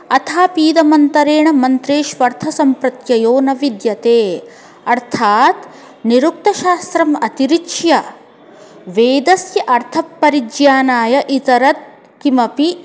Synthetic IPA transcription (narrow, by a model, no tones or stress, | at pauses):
ɐt̪ʰaːpiːd̪ɐmɐnt̪ɐɾeːɳɐmɐnt̪ɾeːʃʋɐɾt̪ʰɐsɐmpɾɐt̪jɐjoːnɐʋid̪jɐt̪eː | ɐɾt̪ʰaːt̪ | niɾuk̚t̪ɐʃaːst̪ɾɐmɐt̪iɾiʂjɐ | ʋeːd̪ɐsjɐʔɐɾt̪ʰɐpːɐɾid͡ʒjaːnaːjɐʔit̪ɐɾɐt̪̚ | kimɐpi